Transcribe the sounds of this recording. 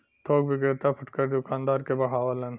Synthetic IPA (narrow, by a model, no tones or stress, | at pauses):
t̪ʰoːkʋɪɡɾɪt̪apʰɐʈkəɾʊkãːnd̪aːɾkebɐɦaːʋəlɐn